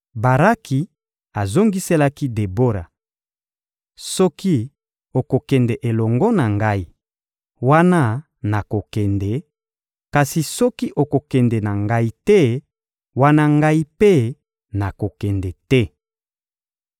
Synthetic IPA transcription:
ba˨ʁa˦kʰi˨ | a˨zo˦ŋɡi˦se˦la˦ki˦de˨bo˦ɾa̰˨ | sɔ˦ki˦ | o˨ko˨kɛ˨ndɛ˨ʔe˨lɔ˨ŋɡɔ˦na˨ŋɡa˦i˦ | wa˦na˦ | na˨ko˨kɛ˨ndɛ˨ | ka˨si˨sɔ˦ki˦ʔo˨ko˨kɛ˨ndɛ˨na˨ŋɡa˦i˦tɛ˦ | wa˦na˦ŋɡa˦i˦pe˦ | na˨ko˨kɛ˨ndɛ˨tɛ˦

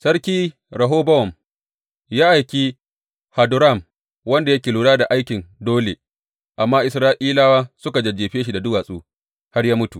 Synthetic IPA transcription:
sɐ˦rkʲiː˦ | ɾɐ˨ɦoː˦bɐ˦wɔ˨m | jaː˦ʔa˨jkʲi˦ | ha˨dʊ˨ɾa˦˨m | wɐ˦nda˨jɐ˦kʲeː˨luː˨ɽaː˦da˨ʔa˦jkʲɪ˨ndoː˦lḛ˨ | ʔa˨mːaː˦ʔɪ˨sɾaː˦ʔiː˦laː˦waː˦sʊ˦ka˨d͡ʒɐ˨d͡ʒeː˨ɸeː˦ʃi˨da˨dʊ˦waː˨sʼuː˦ | ha˦ɾjaː˦mʊ˦tu˨

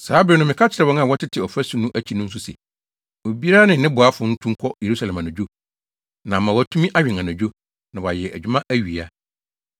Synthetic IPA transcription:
saː˨˦bɪ˨˦nʊ̃˦mɪ̃˨kʰa˦t͡ɕʰɪ˨ɾɛ˨wɔ̃˦ŋ˦ã˦˨wɔ˦tʰɪ˦tʰɪ˨ɔ˨fæ˦su˦nũ˦ʔæ˦t͡ɕʰi˨nʊ̃˦n̩˦s̬ʊ˦sɛ̰˨ | o˨bi˦a˦nɪ̃˨nɪ̃˦bʊ˨a˦fʊ˨˦n̩˦tʰũ˦ŋ˦kʰɔ˦je˨ɾu˦sa˨lɛ˨mã˨nã˨d͡ʑᶣo˦ | nã˨mã˨wɔ˨˦˨tʰũ˦mĩ˦ʔa˦ɥᶣɪ̃˨ã˨nã˨d͡ʑᶣo˦ | nã˨wɔ˨a˨jɛ˨ʔæ̰˨d͡ʑᶣu˦mã˦ʔæ˦ɥi˨a˨

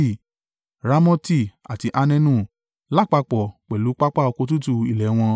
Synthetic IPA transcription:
i˦˨ | ɾa˦mɔ̃˧ti˦˨a̰˨ti˧ʔa˧nɛ̃˧nũ˦˨ | la˦˨k͡pa˧k͡pɔ˨k͡pɛ˨lu˨˦k͡pa˦k͡pa˦ɔ˧ko˧tu˦tu˧i˨lɛ˨˦w̃ɔ̃˧

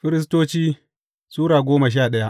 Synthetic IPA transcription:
ɸɪ˦ɾɪ˦s̬toː˦t͡ʃiː˦ | suː˦ɽaː˨ɡʷoː˦ma˨ʃ̬aː˦˨ɗɐ˦ja˦ʔ

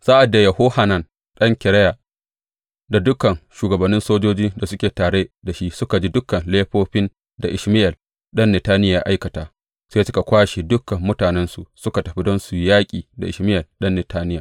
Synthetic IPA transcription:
saː˦ʔa˨dːa˨jɐ˨hoː˦ha˨nɐ˨n | ɗɐ˦ŋkʲɪ˨ɾɐ˦ja˨ | da˨dʊ˦kɐ˨ŋʃuː˨ɡɐ˨bɐ˨nːɪ˦nsoː˦d͡ʒoː˦d͡ʒiː˦da˨sʊ˦kʲeː˨taː˨ɽe˦da˨ʃi˦sʊ˦ka˨d͡ʒi˦dʊ˦kɐ˨nleː˦ɸoː˦ɸɪ˦n | da˨ʔɪ˨ʃmɪ˦jɐ˨l | ɗɐ˦nːɛ˨taː˦nɪ˦jaaː˨ʔa˦jkɐ˨taː˨ | seː˦sʊ˦ka˨kʷaː˦ʃi˨dʊ˦kːɐ˨mːʊ˦taː˨nɛ˦nsu˨ʔsʊ˦ka˨tɐ˨ɸi˦dɔ˦nsu˨jaː˦kʲʼiː˨da˨ʔɪ˨ʃmɪ˦jɐ˨lɗɐ˦nːɛ˨taː˦nɪ˦jaː˨

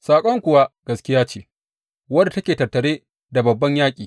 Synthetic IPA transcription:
saː˨kʷʼɔ˦ŋkʷʊ˨wa˦ɡ̥ɐ˨skʲɪ˦jaː˦t͡ʃeː˦˨ | wɐ˦da˨tɐ˦kʲeː˨tɐ˨rtɐ˨ɽeː˦ | da˨bɐ˨bːɐ˦ɲjaː˦kʲʼiː˨

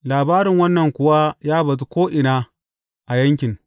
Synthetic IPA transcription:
laː˨baː˦ɾɪ˨ŋwɐ˦nːɐ˨ŋkʷʊ˨wa˦jaː˦bɐ˨z̬u˦kʷoː˦ʔɪ˨naː˦ | ʔa˨jɐ˦ŋkʲɪ˨ŋ

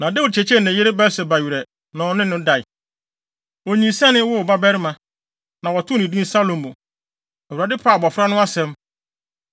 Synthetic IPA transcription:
nã˨dɛ˦wʊ˨t͡ɕʰɛ˨t͡ɕʰɛ˦˨nɛ̃˨jɪ˦ɾɪ˦bɛ˦sɛ˨ba˨ɥi˨ɾɛ˨ | nã˨nɪ̃˦nʊ̃˦da˨ɪ˨ | o˨ɲĩ˨sɛ̃˦nɪ̃˦wʊ˦˨ba˦bɛ˦ɾɪ˦mã˨ | nã˨wɔ˨tʰʊ˦nĩ˨dũ˦sa˦lõ˨m˨mʊ̃˨ | ɛ˨wu˨ɾa˨dɪ˦pʰaː˦˨bɔ˨fɾa˦nʊ̃˦a˦sɛ̃˦m

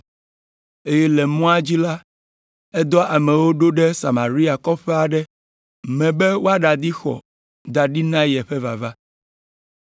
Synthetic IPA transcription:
e˦jɛ˦lɛ˨mɔ̃˦a˦d͡ʑi˦la˦ | ɛ˦d̪ɔ˦ʔa˨mɛ̃˨wo˦ɖo˦ɖɛ˦sa˨ma˨ɾi˦a˨kɔ˦ɸɛ˦a˨ɖɛ˦ | mɛ̃˨bɛ˦wo˦a˦ɖa˨d̪i˦xɔ̰˨ | d̪a˨ɖi˦nã˦jɛ˨ɸɛ˦va˨va˦

